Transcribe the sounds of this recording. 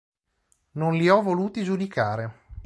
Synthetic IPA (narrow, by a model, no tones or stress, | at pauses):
nonliɔvoluːt̪id͡ʒud̪ikaːɾe